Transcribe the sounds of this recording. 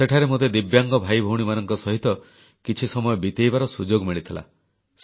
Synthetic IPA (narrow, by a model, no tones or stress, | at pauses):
seʈʰaɾemod̪ed̪ibjaŋɡɔbʱajbʱouɽ̃imanɔŋkɔsɔɦit̪ɔ | kit͡ʃʰisɔmɔjɔbit̪ejbaɾɔsud͡ʒoɡmiɭit̪ʰila̰ | s